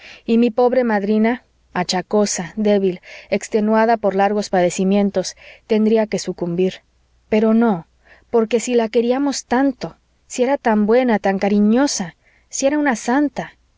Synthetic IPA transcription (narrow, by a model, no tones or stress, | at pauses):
imipo̞βɾe̞maðɾina | at͡ʃako̞saðe̞βile̞kst̪e̞nwaðapo̞ɾlaɾɣo̞spaðe̞simjẽ̞nt̪o̞st̪e̞nd̪ɾiake̞sukumbiɾ | pe̞ɾo̞no̞ | po̞ɾke̞silake̞ɾiamo̞st̪ant̪o̞ | sie̞ɾat̪ambwe̞nat̪aŋkaɾiɲo̞sa | sie̞ɾaunasant̪a